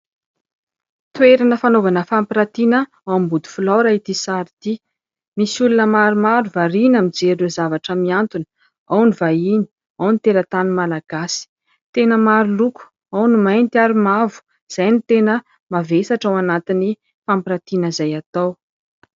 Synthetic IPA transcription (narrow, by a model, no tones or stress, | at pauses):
t̪ueɾanəfanovanəfampiɾat̪inə | awambud̪i̥fulaɾait̪isaɾit̪i | misulunəmaɾumaɾuvaɾinamid͡zeɾuzavaʈ͡ʂəmiant̪unə̥ | awnivaini̥ | awnit̪eɾat̪animalaɡ̥asi̥ | t̪enəmaɾiluku̥ | awnimajnt̪iaɾumavu̥ | z̥ajnit̪enə | mavesaʈ͡ʂawanat̪ini | fampiɾat̪inəzajat̪aw